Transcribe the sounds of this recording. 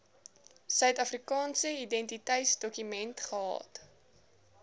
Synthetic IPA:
sœɥtɐfrikɑːnsəidɛntitəjtsdɔkymɛntχəɦɑ̰ːt

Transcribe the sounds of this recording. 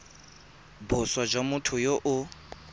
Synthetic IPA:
bʊswad͡ʒwamʊtʰʊjoʔʊ

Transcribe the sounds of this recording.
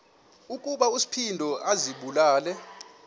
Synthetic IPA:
ukʼuɓausi̥pʰindʱɔʔaziɓulaːlɛ

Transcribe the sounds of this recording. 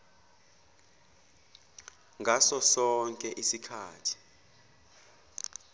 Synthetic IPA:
ŋɡʱasɔsɔŋkʼɛʔisikʰaːtʰi̥

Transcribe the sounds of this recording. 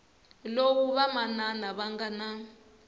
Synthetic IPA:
lowuβamananaβaŋɡana

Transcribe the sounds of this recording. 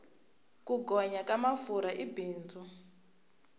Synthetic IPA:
kuɡɔɲakamafuɾaʔibiːnd͡zɔ

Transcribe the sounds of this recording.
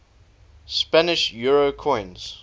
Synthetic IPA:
spænɪʃjuɹokʰɔ̃ɪ̃nz̥

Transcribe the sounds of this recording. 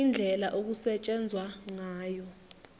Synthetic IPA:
ind͡ɮʱɛlaʔok̬usɛt͡ʃʼɛnd͡zʱwaŋaːjɔ

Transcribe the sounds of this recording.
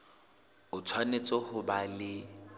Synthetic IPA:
ʊt͡sʰwanet͡sʼɔhʊbalɪ

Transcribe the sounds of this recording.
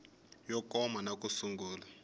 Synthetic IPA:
jɔkʼɔmanak̬ʼusuŋɡuːla

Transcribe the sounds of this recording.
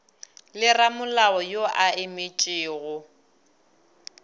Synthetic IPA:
lɪramʊlaɔjoʔaɪmɪt͡ʃʼɪːɣʊ

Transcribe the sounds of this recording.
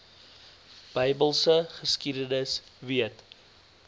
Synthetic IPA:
b̥əjbəlˠsəχəskidənəsviət

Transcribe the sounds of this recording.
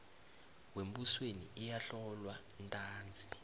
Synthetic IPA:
wem̩buswenḭʔijaɬɔlwa | ntʼaːnd͡zʱi

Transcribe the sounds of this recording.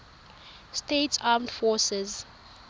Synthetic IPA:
stetsamdfɔsɛz

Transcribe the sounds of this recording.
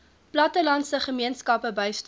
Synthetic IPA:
plɐtəlɐntsəχəmiənskɐpəbəjst

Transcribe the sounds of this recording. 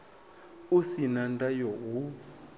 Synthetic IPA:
usinandajɔɦu

